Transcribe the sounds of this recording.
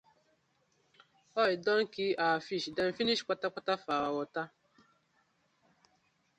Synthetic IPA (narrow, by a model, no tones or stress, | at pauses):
ɔɪdɔŋ̩kiafiʃdɛm̩finiʃi̥k͡pʷatak͡patafawawɔta